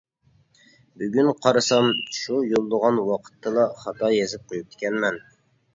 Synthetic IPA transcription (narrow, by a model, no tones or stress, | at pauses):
byɡʲynqʰɑɾɨsɑmʃujolˠːəʁɑnwɑqʰə̥t̪ʰːɨlˠɑχɑt̪ɑjezɪp̚qʰojup̚t̪ʰɪ̥kʲɛnmɛn